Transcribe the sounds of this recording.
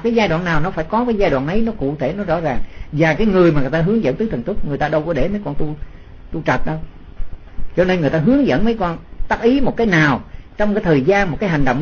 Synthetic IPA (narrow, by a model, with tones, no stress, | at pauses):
kaː˨˦jzaː˧jɗwaː˧˨nːaː˨˩wnɔ˨˦faː˧˩jkɔ˨˦kaː˨˦jzaː˧jɗwaː˧˨nʔə˨˦jnɔ˨˦kṵ˧˨t̪ʰe˧˩nɔ˨˦zɔ̰˧˥zaː˨˩ŋvaː˨˩kaː˨˦jŋɨ˨˩əjmaː˨˩ŋ˨˩jt̪aː˧ɦɨ˨˦əŋzə̰˧˥nt̪ɨː˨˦t̪ʰnt̪u˦˥k̚ŋɨ˨˩əjt̪aː˧ɗə˧wkɔ˧˩ɗe˧˩mə˨˦jkɔ˧˩nt̪u˧ | t̪u˧t͡ɕə˨˩t̚ɗə˨˧ | t͡ɕɔ˧ne˧nŋ˨˩əjt̪aː˧ɦɨ˨˦əŋzə̰˧˨nmə˨˦jkɔ˧nt̪aː˦˥k̚ʔi˨˦mo˨˩t̚kaː˨˦jnaː˨˩wt͡ɕɔ˧wŋ͡mkaː˨˦jt̪ʰəː˨˩jzaː˧nm˨˩t̚kaː˨˦jha˨˩ŋ̟ɗə̰˧˨ŋ͡m